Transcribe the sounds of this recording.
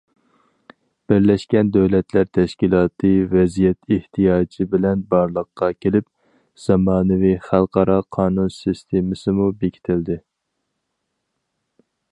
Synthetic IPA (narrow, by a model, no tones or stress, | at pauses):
b̥ɪɾlɛʃkʲɛnd̪øwlɛt̪ʰlæɾt̪ʰɛʃkʲilˠɑːt̪ʰɨvɛzijɛt̪ɪht̪ʰijɑːt͡ʃʰibɪlɛnbɑɾlˠəqːɑkʲʰelɪp̚ | z̥ɑmɑːnɨviχælˠqɑɾɑqʰɑːnunsist̪ʰemɪsɪmubekʲʰi̥t̪ʰɪld̪ɪ